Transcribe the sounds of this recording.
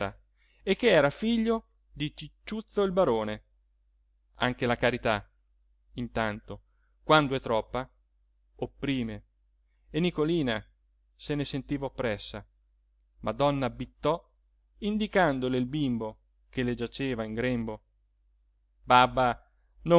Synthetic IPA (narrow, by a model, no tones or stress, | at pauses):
a̰ | ekːeɛːɾafiʎːo | d̪it͡ʃit͡ʃːut̪sːoilbaɾoːne | a̰ŋk̟elakaɾit̪a | int̪ant̪o | kwand̪oɛt̪ːɾɔpːa | opːɾiːme | enikoliːna | senesent̪iːvaopːɾɛsːa | mad̪ɔnːabit̪ːɔ | ind̪ikand̪oleilbimbo | keled͡ʒat͡ʃeːvaiŋɡɾembo | babːa | no